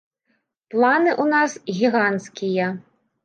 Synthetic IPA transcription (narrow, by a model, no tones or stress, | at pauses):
plˠanɨʔunasɣʲiɣant̪skʲijɐ